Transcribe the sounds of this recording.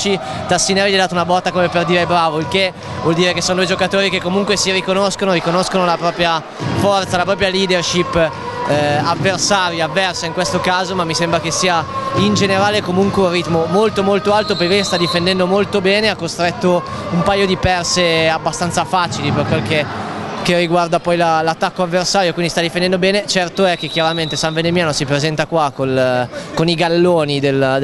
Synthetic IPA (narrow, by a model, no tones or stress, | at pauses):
t͡ʃi | t̪asːinavɛd̪aːt̪ounabɔt̪ːakomeperd̪iːɾebɾaːvoilke | vwɔld̪iːɾekesːoːnod̪ujd͡ʒokat̪oːɾikekːomuŋkwesiɾikonoskonoɾikonoskonolapɾɔːpɾja | fɔrt̪salapɾɔːp̬ɾjaliːd̪erʃipː | avːersaːɾjiavːɛrsaiŋkwest̪okaːzomamːisembɾakesːiːaind͡ʒeneɾaːlekomuŋkweurrit̪momolt̪omolt̪oalt̪opokest̪ad̪ifend̪ɛnd̪omolt̪obɛːneakːost̪ɾɛt̪ːo | umpajːod̪ipɛrseabːast̪ant̪safaːt͡ʃiliperkwelkekerːiɡward̪apɔjlalat̪ːakːoavːersaːɾjokwind̪ist̪ad̪ifend̪ɛnd̪obɛːnet͡ʃɛrt̪oɛk̟ːekːjaɾament̪esaɱvenemjaːnosipɾezɛnt̪akwakonkoniɡalːoːnid̪el